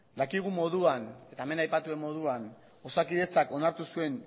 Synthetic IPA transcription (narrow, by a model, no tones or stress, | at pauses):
d̪akiɣ̞umo̞ðuane̞t̪aeme̞najpat̪ue̞mːo̞ð̞uan | o̞sakiðe̞t͡sako̞naɾt̪usue̞n